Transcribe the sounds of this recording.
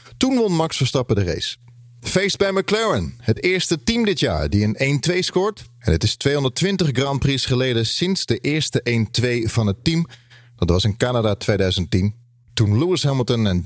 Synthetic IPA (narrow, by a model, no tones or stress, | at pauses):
tunʋɔnmɑksfəɹstɑpədərḛjs | fejsdbɛjməklɛɹənhətɪːɹstətimdɪtja̰ːɹdiənentʋejskɔːɹtɛnətɪstʋejɔndəɹtʋɪntəχɡrɑnprisχəlejdəsɪnzdəʔɪːɹstəʔejntʋejv̥ɑnɦətim | d̥ɑtʋɑsɪnkaːnadatʋejdœɥzəntin | tunluɪsɦɛməlˠtənɛn